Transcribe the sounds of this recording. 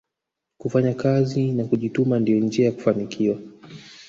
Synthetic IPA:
kufaɲakazinakuʄitumandijɔnd͡ʒiajaku̥fanikʰiwa

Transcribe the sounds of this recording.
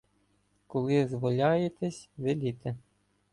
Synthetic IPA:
kɔlˠɪzʋɔlʲɑjet̪ɛsʲʋɪlʲit̪ɛ

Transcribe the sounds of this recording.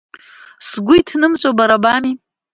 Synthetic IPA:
sɡʷʊitʰnɨmt͡ʃʷʼabaɾabami

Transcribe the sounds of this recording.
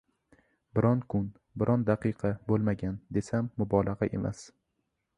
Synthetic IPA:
bɪɾʔɒnkʰʊn | bɪɾʔɒnd̪aqɨqʰɑbolˠmaɡʲand̪e̞samːʊbɒlˠaʁɑʔe̞̰mʔa̰s

